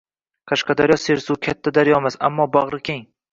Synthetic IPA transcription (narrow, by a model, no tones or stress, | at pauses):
qʰɑʃqɑd̪aɾjɒse̞ɾsukʲʰat̪ʰːad̪aɾjɒmasa̰mːɒbaʁɾɪkʲʰeŋ